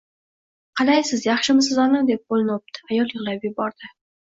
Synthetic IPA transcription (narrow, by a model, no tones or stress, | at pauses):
qʰɑlˠajsɪzjɑχʃɪmɪsɪzɒnɨd̪e̞p̚bolˠɪnwp̚t̪ʰɪ̥ajɒlˠjɨʁlˠapjɪbɒɾd̪̥ɪ